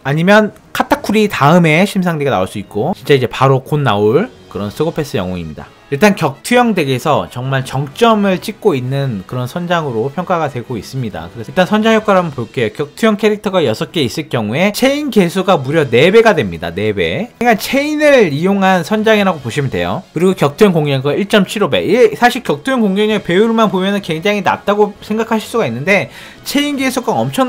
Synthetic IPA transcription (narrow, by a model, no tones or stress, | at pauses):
aɲimjʌn | kʰatʰakʰuɾitaɯme̞ɕʰimsʰaŋdeɡana̰oɭs͈uik̚k͈ot͡ɕint͡ɕ͈aid͡ʑe̞paɾokonːaoɭkɯɾʌnsʰɯɡopʰe̞s͈ɯjʌŋoŋimɲida̰ | iɭt͈ankjʌk̚tʰujʌŋde̞ɡesʰʌt͡ɕʌŋmaɭt͡ɕʌŋt͡ɕ͈ʌmɯɭt͡ɕ͈ik̚k͈oinːɯnkɯɾʌnsʰʌnd͡ʑaŋɯɾopʰjʌŋk͈aɡatweɡois͈ɯmɲida̰kɯɾeiɭt͈ansʰʌnd͡ʑaŋjʌk͈aɾamɯnpoɭk͈e̞jokjʌk̚tʰujʌŋkʰe̞ɾik̚tʰʌɡajʌsʰʌk͈e̞is͈ɯɭkjʌŋue̞t͡ɕʰe̞inke̞sʰuɡamuɾjʌne̞be̞ɡadwe̞mɲida̰ne̞be̞̰ekant͡ɕʰe̞inɯɭijoŋɦansʰʌnd͡ʑaŋiɾaɡopoɕʰimɯnde̞̰jo̰kɯɾiɡokjʌk̚tʰujʌŋkoŋjʌŋɡɯiɭt͡ɕ͈ʌmt͡ɕʰiɾobe̞̰ʔisʰaɕʰiɭkjʌk̚tʰujʌŋkoŋɲʌŋepe̞uɭmanpomjʌnɯnkwe̞ŋd͡ʑaŋɦina̰t͈̚aɡosʰe̞ŋɡakʰaɕʰiɭs͈uɡainːɯnde̞ | t͡ɕʰe̞inɡe̞sʰuɡ͈aʌmt͡ɕʰʌŋ